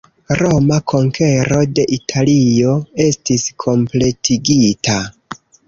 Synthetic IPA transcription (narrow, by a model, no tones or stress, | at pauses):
ɾo̞makʰo̞ŋkʰe̞ɾo̞de̞ʔitʰalio̞e̞stiskʰo̞mple̞tʰiɡita